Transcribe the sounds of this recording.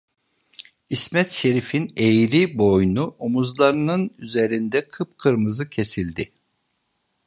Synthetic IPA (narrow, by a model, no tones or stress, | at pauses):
ismɛt̪ʃe̞ɾifinejɾibo̞jnuomuzlˠaɾɯnɯnyze̞ɾind̪ɛkʰɯpkʰɯɾmɯzɯcʰe̞silʲd̪ɪ